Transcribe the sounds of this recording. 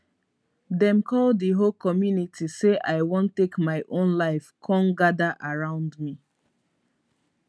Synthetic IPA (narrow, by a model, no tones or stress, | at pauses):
dɛ̃mkʰɔləɦolkɔmjunitʰiseʔaɪwõntːekmaɪʔõnlaɪfkʰɔ̃nɡadaʔaɹãʊ̃ndmi